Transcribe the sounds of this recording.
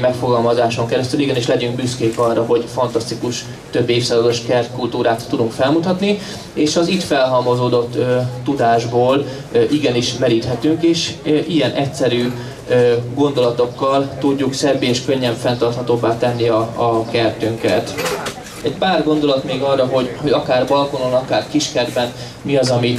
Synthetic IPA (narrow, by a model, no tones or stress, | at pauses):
mɛkfo̞ɡɒlmɒzaːʃo̞ŋkɛɾɛst̪yliɡɛniʃlɛɟyŋɡ̚byskeːkɒrːɒɦo̞ɟfɒnt̪ɒst̪ikuʃ | t̪ø̞bːeːfsaːzɒd̪o̞ʃkɛrt̪kult̪uːɾaːt̪ːud̪uŋkfɛlmut̪ɒt̪ni | eːʃɒzit̪fɛlɦɒmozoːd̪o̞t̪ːøːud̪aːʒboːl | ʔiɡɛniʃmɛɾiːt̪ɦɛt̪yŋkeːʃʔijɛnʔɛcsɛɾyː | øɡo̞nd̪o̞lɒt̪o̞kːɒlt̪uɟːuksɛbːeeːʃkøɲːɛɱfɛnt̪ɒrt̪hɒt̪oːbːaːt̪ɛnːiɒːkɛrt̪yŋkɛt̪ | ɛɟ̚paːrɡo̞nd̪o̞lɒt̪meːɡɒrːɒɦo̞ɟho̞ɟɒkaːrbɒlko̞nonɒkaːrkiʃkɛd̪bɛn | miɒzɒmi